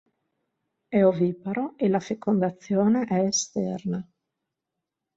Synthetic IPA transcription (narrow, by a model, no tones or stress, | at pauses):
ɛoviːpaɾoelafekond̪at̪sːjoːneʔɛːst̪ɛ̰rna